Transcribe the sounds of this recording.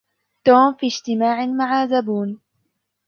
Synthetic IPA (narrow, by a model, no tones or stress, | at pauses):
t̪oːmfiːd͡ʒt̪ɪmaːʕɪmaʕazabuːn